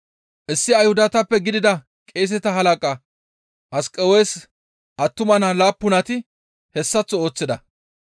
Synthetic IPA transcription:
ʔɪsːɪɐjhʊd̪ɐt̪ɐpːɛɡɪd̪ɪd̪ɐ | kʼeːs̬ɛt̪ɐɦɐlɐkʼɐ | ʔɐskʼɛweːs | ʔɐt̪ːʊmɐnɐlaːpːʊnɐt̪ɪ | hɛsːɐt͡sːɔo̞ːt͡sːɪd̪ɐ

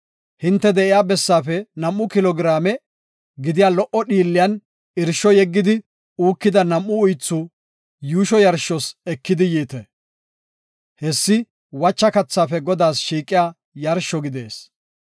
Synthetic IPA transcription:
hɪnt̪ːɛd̪ɛʔɪjaːbɛsːaːfɛnɐmʔːʊkɪlɔɡɪɾaːmɛ | ɡɪd̪ɪjaːlɔʔɔɗiːlːɪjɐn | ɪɾʃːɔjɛɡːɪd̪ɪ | uːkːɪd̪ɐnɐmʔːʊːjt͡sːʊ | juːʃɔjɐɾʃːɔsɛkːɪd̪ɪjiːt̪ɛ | hɛsːɪ | wɐt͡ʃːɐkɐt͡sːaːfɛɡɔd̪aːsʃiːkʼːɪjaː | jɐɾʃːɔɡɪd̪eːs

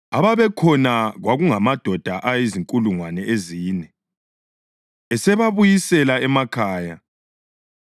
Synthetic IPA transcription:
a̰βaβɛkʰɔnaɣwaɣuŋamad̥ʱɔd̥ʱaʔajeziŋkʼuluŋwanɛʔeziːnɛ | ɛsɛβaβujisɛlaɛmakʰaːja

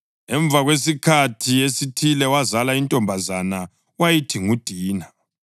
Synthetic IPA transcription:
ɛɱb̪vʱaɣwes̬ikʰatʰiesitʰilɛwazalaintʼɔmbʱazana | wajitʰiŋud̥ʱiːna

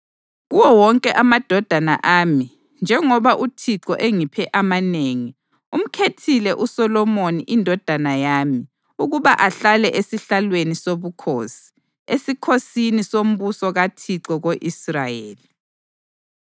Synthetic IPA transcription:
ɣuwɔwɔŋkʼɛʔamad̥ʱɔd̥ʱana̰ʔami | nd͡ʒʱɛŋɔβaʔutʰiǁɔ̰ʔeŋipʰɛʔamaneːŋi | um̩kʰetʰilɛʔusɔlɔmoniʔindʱɔd̥ʱanajami | uɣuβaʔaɬalɛʔesiɬalwenisoβukʰosi̥ | esikʰosinisom̩βusɔɣatʰiǀɔɣoʔisrajeːli

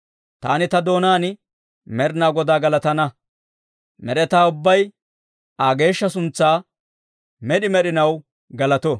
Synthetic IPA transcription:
t̪a̰ːnɪt̪ɐd̪o̞ːnaːnɪ | mɛɾnaːɡɔd̪aːɡɐlɐt̪ɐnɐ | mɛɾɛt̪aːʊbːɐj | aːɡe̞ːʃːɐsʊnt͡sːaː | mɛɗɪmɛɗɪnɐw | ɡɐlɐt̪ɔ

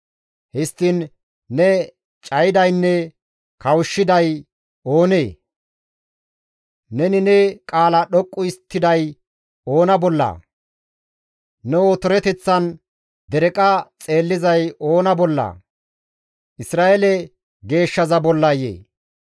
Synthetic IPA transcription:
hɪst̪ːɪn | nɛ | t͡ʃʼɐjɪd̪ɐjnːɛ | kɐwʃːɪd̪ɐj | o̞ːneː | nɛnɪnɛkʼaːlɐɗɔkʼːʊɪst̪ːɪd̪ɐj | o̞ːnɐbɔlːɐ̰ | nɛot̪ɔɾɛt̪ɛt͡sːɐn | d̪ɛɾɛkʼɐt͡sʼe̞ːlːɪzɐjʔo̞ːnɐbɔlːɐ̰ː | ʔɪsɾaːʔelɛ | ɡe̞ːʃːɐzɐbɔlːɐjḛː

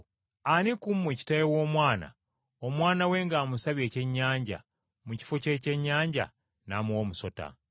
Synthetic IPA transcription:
anikumːeci̥tajewo̞ːmwaːna̰ | omwaːnawe̞ːŋɡaːmusaβje̞ːce̞ɲːaːɲɟa̰ | muci̥foce̞ceɲːaːɲɟa̰ | namuwoːmuso̞ta̰

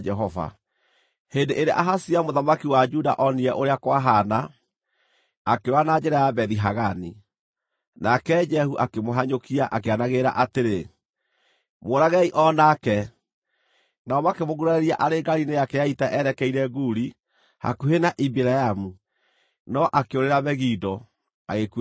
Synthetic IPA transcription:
d͡ʒɛɦɔva̰ | hendeʔeɾeʔaɦasiamoðamakiwad͡ʒuda̰ʔɔniɛʔoɾeakwaɦana | akewanad͡ʒɛɾajabɛðiɦaɣani | nakɛd͡ʒɛhuʔakemoɦaɲokiaʔakeanaɣeɾa̰ʔateɾe | moɾaɣɛiʔɔnakɛ | naɔmakemoɣuɾaɛɾiaʔaɾeɡaɾinejakɛjaitaʔɛɾɛkɛiɾɛɡuːɾi | ha̰kuɦenaʔibiɾajamu | nɔʔakeoɾeɾaβɛɣidɔ | aɣeku

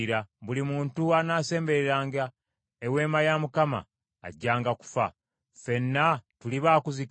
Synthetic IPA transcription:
ɾaβulimuːntuanaːse̞ːmbe̞ɾeɾaːŋɡa | ewe̞ːmajamukama̰ː | ɟːaːŋɡaku̥fa̰ | fe̞nːatuliβaːkuzik

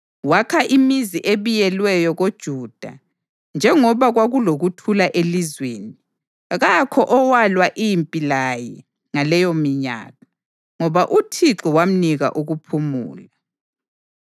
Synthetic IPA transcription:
wakʰaʔimiziʔeβijɛlwɛjɔɣod̥ʒ̥ʱuːd̥ʱa̰ | nd͡ʒʱɛŋɔβaɣwaɣuloɣutʰulaʔelizweːni | ɣakʰɔʔɔwalwaʔimpʼilajɛ | ŋalɛjɔmiɲa̰ːla | ŋɔβaʔutʰiǁɔwam̩niɣa̰ʔuɣupʰumṵːla

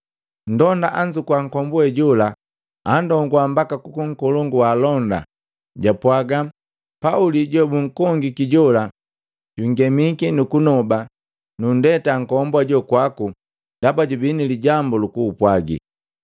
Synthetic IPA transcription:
n̩dɔndaʔaɲd͡ʒukwaŋ̩kɔmbwɛɟula | andɔŋɡwambakakukuŋ̩kɔlɔŋɡuwaːlɔnda̰ | ɟapwaɡa | pauliɟɔbuŋ̩kɔŋɡikiɟɔla | ɟ̥uŋɡɛmikinukunɔba | nundɛtaŋ̩kɔmbwaɟɔkwaku | d̥abaɟubiniliɟambɔlukuːpwaɡḭ

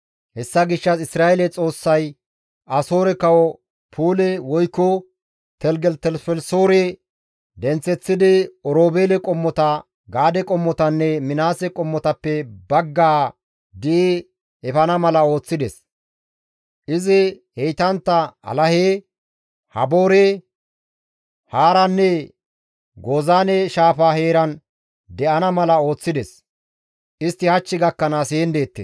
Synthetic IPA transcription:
hɛsːɐɡɪʃːɐsɪsɾaːɛlɛt͡sʼo̞ːsːɐj | ɐso̞ːɾɛkɐwɔ | pʰuːlɛwɔjkːɔ | t̪ɛlɡɛlt̪ɛlfɛlsoːɾɛ | d̪ɛnt͡sːɛt͡sːɪd̪ɪɔɾoːbeːlɛkʼɔmːɔt̪ɐ | ɡaːd̪ɛkʼɔmːɔt̪ɐnːɛmɪnaːsɛkʼɔmːɔt̪ɐpːɛbɐɡːaː | d̪ɪʔe | ɛfɐnɐmɐlɐo̞ːt͡sːɪd̪ɛs | ʔɪzɪ | hɛjt̪ɐnt̪ːɐɐ̰lɐheː | hɐboːɾeː | haːɾɐnːɛ | ɡoːzaːnɛʃaːfaːheːɾɐn | d̪ɛʔɐnɐmɐlɐo̞ːt͡sːɪd̪ɛs | ʔɪst̪ːɪhɐt͡ʃːɪɡɐkːɐnaːseːnd̪e̞ːt̪ːḛs

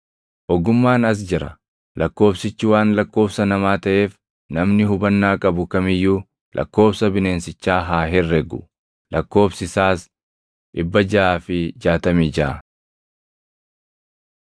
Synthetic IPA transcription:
ʔɔɡʊmːaːnɐs̬d͡ʒɪɾɐ | lɐkːo̞ːbsɪt͡ʃːɪwaːnlɐkːo̞ːbsɐnɐmaːt̪ɐʔe̞ːf | nɐmnɪɦʊbɐnːaːkʼɐbʊkɐmɪjːuː | lʔɐ̰kːo̞ːbsɐbɪne̞ːnsɪt͡ʃːaːɦaːɦɛrːɛɡʊ̰ | lʔɐkːo̞ːbsɪsaːs | ᶑɪbːɐd͡ʒɐʔaːfɪd͡ʒaːt̪ɐmiːd͡ʒa

